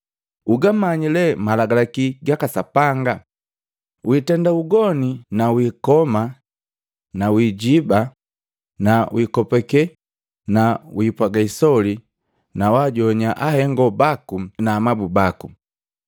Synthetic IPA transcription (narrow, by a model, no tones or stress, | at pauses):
uɡamaɲilɛmalaɡalakiɡakasapaŋɡa | wʔitɛndauɡɔninawiːkɔma | nawiːɟiba | nawikɔpɛkɛ | nawiːpwaɡaisɔli | nawaɟɔɲaʔahɛŋɡɔbakunaːmabubaku